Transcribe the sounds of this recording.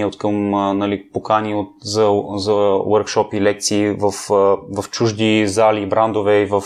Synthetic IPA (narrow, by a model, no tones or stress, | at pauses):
ot̪kɐmnɐlipokaniot̪zɐzɐwəɾkʃɔpilɛk̚t̪siːvɐfvɐft͡ʃuʒd̪izalibɾand̪ovɛivəf